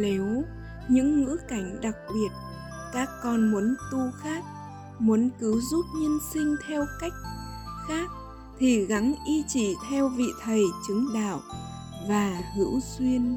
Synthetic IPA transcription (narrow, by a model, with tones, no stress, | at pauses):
le˨˦w | ɲɨ̰˧˥ŋːɨ̰˧˥ka˧˩jŋ̟ɗa˨˩k̚ɓi˨˩ət̚ | kaː˦˥kːɔ˧nmu˨˦ənt̪u˧xaː˦˥k̚ | mu˨˦ənkɨ˨˦wzu˦˥p̚ɲi˧ənsï˧ŋ̟t̪ʰɛ˧wka˦˥jk̟̚ | xaː˦˥k̚ | t̪ʰi˨˩ɣa˨˦ŋʔi˧t͡ɕi˧˩˦t̪ʰɛ˧wvḭ˧˨t̪ʰə˨˩jt͡ɕɨ˨˦ŋɗa̰ː˧˨w | vaː˨˩hɨ̰˧˥wswi˧ən